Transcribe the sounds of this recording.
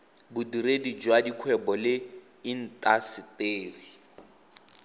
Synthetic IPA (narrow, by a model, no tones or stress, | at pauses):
budiɾedid͡ʒwadikʰwɛbɔlɪ | in̩tʼasɪteːri